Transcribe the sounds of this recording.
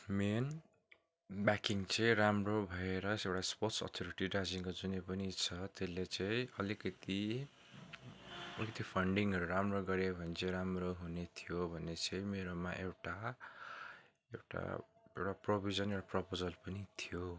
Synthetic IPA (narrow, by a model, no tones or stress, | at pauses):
men | bakiŋt͡sʌĩramrobʱʌeɾʌsewʈasporsʌ̰t̪ʰoɾiʈiɖad͡ziŋkod͡zunepʌnit͡sʰʌt̪elet͡sʌĩʌlikʌt̪i | ʌlikʌt̪ipʰʌɳɖiŋʌɾuɾamroɡʌɾebʱʌnet͡sʌĩɾamroɦunet̪ʰijobʱʌnːet͡sʌĩmeɾoma̰ʔewʈa | ewʈa̰ewʈaprobʱizʌnewʈaprʌpod͡zʌlpʌnit̪ʰijo